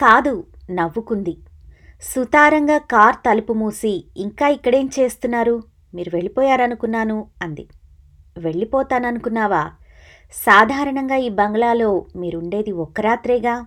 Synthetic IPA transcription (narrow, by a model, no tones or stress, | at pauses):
kaːd̪unɐʋːukund̪i | sut̪aːɾɐŋɡaːkaːɾt̪ɐlupumuːsiːŋkaːikːɐɽe̞ːmt͡ʃe̞ːst̪unːaːɾu | miːɾuʋe̞ɭːipɔːjaːɾɐnukunːaːnuɐnd̪i | ʋe̞ɭːipɔːt̪aːnɐnukunːaːʋaː | saːd̪ʱaːɾɐɳɐŋɡaːiːbɐŋɡɐɭaːlo̞ːmiːɾuɳɖe̞ːd̪iɔkːɐɾaːt̪ɾɛːɡaː